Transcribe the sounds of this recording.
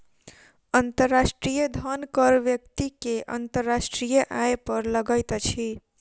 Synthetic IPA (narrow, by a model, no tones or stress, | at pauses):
ənt̪əɾːasʈɾijəd̪ʱənkəɾʋjək̚t̪ikeʔə̰nt̪əɾːasʈɾijəʔajpəɾləɡəjt̪t͡ʃʰi